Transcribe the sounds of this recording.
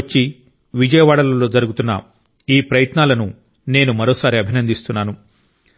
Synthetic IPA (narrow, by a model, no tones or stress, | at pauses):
t͡ʃːi | ʋid͡ʒɐjɐʋaːɽɐlɐlo̞ːd͡ʒɐɾuɡut̪unːɐ̰ | iːpɾɐjɐt̪naːlɐnu | ne̞ːnumɐɾo̞ːsaːɾiɐbʱinɐnd̪ist̪unːaːnu